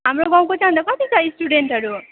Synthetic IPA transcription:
ɦamɾoɡaw̃kot͡sand̪akɔt̪it͡saisʈuɖeɳʈɦʌɾu

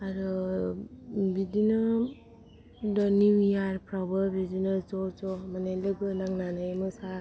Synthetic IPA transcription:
aɾɯ | bidina | dɔniwijaɾpɾabɯbidinɯzɔt͡ʃɔmanajlɯɡɯnaŋnanajmɯsa

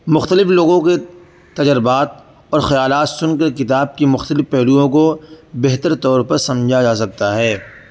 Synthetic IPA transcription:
mʊxt̪əlɪfloːɡõke | t̪ɐd͡ʒəɾɪbaːt̪̚ | ɔːɾxɐjaːlaːt̪sʊnkɐɾkɪt̪aːb̚kimʊxt̪əlɪfpɛɦluõkobɛɦt̪əɾt̪ɔːɾpɐɾsɐ̃md͡ʒʱad͡ʒaːs̬ɐk̚t̪aɦɛː

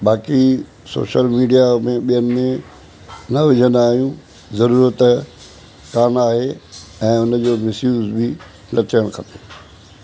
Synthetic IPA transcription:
ɓaːki | so̰ːʃəlmiːɖijamẽɓijənɪ̆mẽ | nɐʋɪd͡ʑʱə̃nd̪aaːɦijũ | zɐɾuːɾət̪ | kaːnaːɦeɛ̃ːʊnə̆d͡ʑoːmɪsjuːzbɪ | lɐtəɽ̃kʰɐ̃nt̪eː

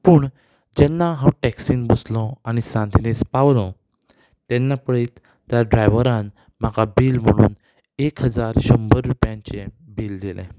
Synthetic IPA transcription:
puːɳ | d͡ʑɛnːaɦãwʈɛksiːnbəslɔaɽ̃isãnt̪inespaʋlɔ | t̪ɛnːapəɭiːt̪ː | jaɖɾajʋəɾan | makʰabiːlm̤əɽ̃ṵːn | ekɦəd͡zaɾɕəmbəɾːupjãɲt͡ɕe | biːld̪ilḛ̃

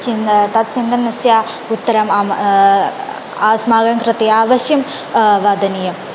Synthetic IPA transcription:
t͡ɕint̪ɐt̪̚t͡ɕind̪ɐnːɐsjaː | ut̪ːɐɾɐmam | aːsmaːɡɐŋkrɨt̪iaːʋɐɕjɐm | ʋɐd̪ʱɐnijɐm

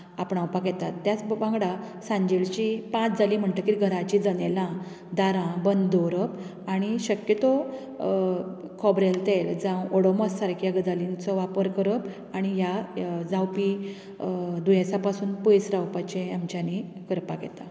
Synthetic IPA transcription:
apɳawpakɛt̪at̪ːjat͡sbãŋɡɽa | sãɲd͡ʑelt͡ɕipãt͡sd͡zalim̤əɳt̪əkiɡʱəɾat͡ɕid͡zənelã | d̪aɾãbənd̪d̪ɔɾəp | aɽ̃iɕəkjət̪ɔ | kʰɔbɾelt̪eld͡zãwɔɽɔmɔssaɾkjaɡəd͡zalint͡sɔʋapəɾkəɾəp | aɽ̃ijad͡zãwpi | d̪ujasapasuːnpəjsɾawpat͡ɕeamt͡ɕanikəɾpaɡɛ̰t̪a

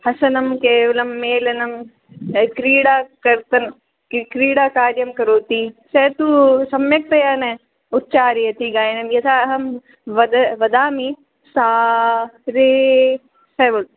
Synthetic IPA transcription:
hɐsɐnɐmkeːʋɐlɐmːeːlɐnɐm | kɾiːɽaːkɐɾt̪ɐn | kɾiːɽaːkaːɾjɐmkɐɾoːt̪iset̪usɐmjɐk̚t̪ɐjaːne | ut̪̚t͡ʃaːɾijɐt̪iɡaːjnɐmjɐt̪ʰaːɦɐm | ʋɐd̪ɐʋɐd̪aːmi | saː | ɾeː | sɐːʋɐl

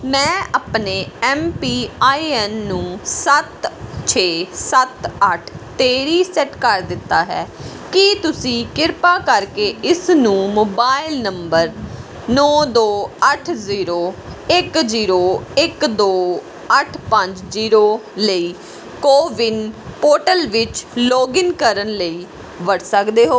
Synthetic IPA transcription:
mɛ̃ːʔapneːɛːmpiːaːiɛnːũːsət̪t͡ʃʰeːsət̪əʈʰt̪eːɾiːsɛʈkəɾd̪ɪt̪ːaːɦɛ̰ː | kɪt̪ʊsĩːkɪɾpaːkəɾkeːʔɪsnũːmoːbaːɪlnəmbəɾ | nɔːd̪oːəʈʰziːɾoːɪkziːɾoːɪkd̪oː | əʈʰpə̃ɲd͡ʒziːɾoːləiː | koːʋɪnpoːʈəlʋɪt͡ʃloːɡɪnkəɾənləiː | ʋəɽsəkd̪eːɦoː

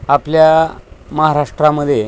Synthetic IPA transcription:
apljaməɦaɾaʂʈɾaməd̪ʱːje

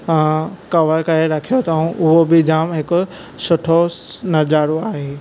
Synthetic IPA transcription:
kɐʋəɾkɐɾeɾɐkʰijot̪aɦũʔʊɦobɪd͡ʒaːmɦɪk | sʊʈʰonɐd͡ʒaːɾoaːɦeː

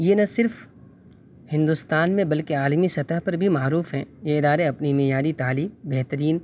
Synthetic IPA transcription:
jenɐsɪɾf | hɪ̃nd̪ust̪aːnmẽbɐlkeaːlmisɐt̪əɦpɐɾbʱimaːɾuːfɦɛ̃ːjeɪd̪aːɾeɐpnimɪjaːɾit̪aːliːmbɛɦt̪əɾiːn

